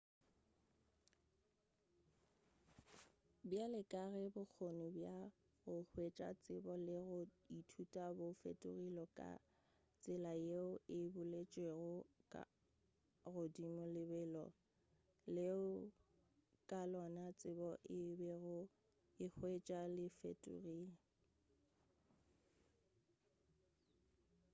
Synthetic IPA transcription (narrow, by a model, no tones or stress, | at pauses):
bjalɪkʼaɣɛbʊk͡xʰonʊbja | ɣʊhwet͡ʃʼa̰t͡sʼɪbɔlɪɣʊ | itʰutʼabʊfḛtʼʊɣilɔkʼa̰ | t͡sʼɪlajeʊɪbʊlet͡ʃʼweɣʊkʼa̰ | ɣʊdimʊlɪbɛːlɔ̰ | leʊ | kʼalɔnat͡sʼɪbɔʔɪbɛɣʊ | ɪk͡xʰwet͡ʃʼalɪfḛtʼʊ̰ɣiːlɔ